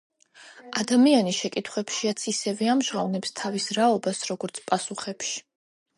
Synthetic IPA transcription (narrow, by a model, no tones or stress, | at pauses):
ad̪amianiʃɛkʼit̪ʰχwɛpʃiat̪sʰisɛvɛamʒʁavnɛpst̪ʰavisɾaɔbasɾɔɡɔɾt̪sʰpʼasuχɛpʃi̥